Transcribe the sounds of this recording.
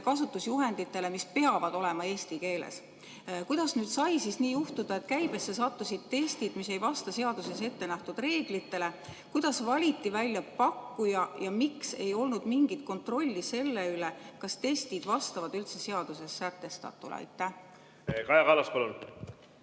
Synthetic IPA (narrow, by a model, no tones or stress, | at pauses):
kɑsut̪ːusjuɦe̞nd̪̥it̪ːˑe̞le̞mispe̞ɑvɑd̪̥o̞le̞mɑe̞ːsʲt̪ike̞ːlḛs | kujd̪̥ɑsnyːd̪̥sɑjsisniːjuht̪ud̪̥ɑet̪kæjb̥e̞sːesɑt̪ːusid̪̥̚t̪e̞st̪id̪̥mise̞jvɑst̪ɑse̞ɑd̪̥use̞se̞t̪ːe̞næht̪ud̪re̞ːɡ̥lit̪ːe̞le̞kujd̪̥ɑsvɑlʲit̪ːˑivælʲjɑpɑkːujɑjɑmikse̞̰jo̞lnud̪̥miŋɡ̥it̪̚ko̞nt̪ro̞lʲːise̞lːe̞yle̞kɑst̪e̞st̪id̪vɑst̪ɑvɑd̪ylt̪se̞se̞ɑd̪̥use̞sːæt̪ːe̞st̪ɑ̰t̪ːˑṵl̰ɑ̰jt̪ːˑæh | kɑjɑkɑːlɑspɑlun